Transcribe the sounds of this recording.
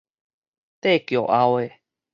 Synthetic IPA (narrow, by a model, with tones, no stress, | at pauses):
t̪e˦˨kjo˨ʔa˦oe˨